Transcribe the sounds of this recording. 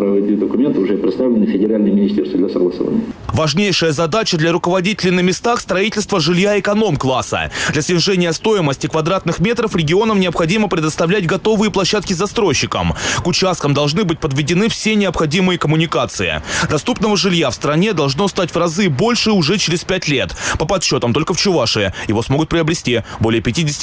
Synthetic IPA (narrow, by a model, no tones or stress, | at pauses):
pɾɐvɐd̪ʲid̪əkʊmʲe̞nt̪ɨʊʐɛpɾʲɪt̪st̪avlʲɪnɨfʲɪdʲɪɾalʲnəjmʲɪnʲɪsʲt̪ʲerst̪vəd̪lʲɐsəɡlˠəsɐ̰va̰nʲɪəəvɐʐnʲejʂɨjəzɐd̪at͡ɕəd̪lʲɐɾʊkəvɐdʲitʲɪlʲɪnəmʲɪst̪axst̪ɾɐitʲɪlʲst̪vəʐɨlʲjaɪkɐno̞mklˠasə̰d̪lʲɐsʲnʲɪʐɛnʲɪjəst̪o̞jɪməsʲtʲɪkvɐd̪ɾat̪nɨxmʲe̞t̪ɾəfɾʲɪɡʲɪo̞nəmnʲɪəpxɐdʲiməpɾʲɪd̪əst̪ɐvlʲæt̚ʲɡɐt̪o̞vɨjɪplˠɐɕːat̪kʲɪzɐst̪ɾojɕːɪkə̰mkʊt͡ɕast̪̚kəmd̪ɐlˠʐnɨbɨt̚ʲpəd̪vʲɪdʲɪnɨfsʲenʲɪəpxɐdʲimɨjəkəmʊnʲɪkat̪sɨɪ̰d̪ɐst̪upnəvəʐɨlʲjafst̪ɾɐnʲed̪ɐlˠʐno̞st̪atʲvrɐzɨbo̞lʲʂɨʊʐɛt͡ɕɪɾʲɪspʲætʲlʲe̞̰t̪pəpɐt̪ɕːo̞t̪əmt̪o̞lʲkəft͡ɕʊvaʂɨjəjɪvo̞smo̞ɡʊt̪̚pɾʲɪɐbɾʲɪsʲtʲibo̞lʲɪjəpʲɪtʲidʲɪsʲɪ̥tʲ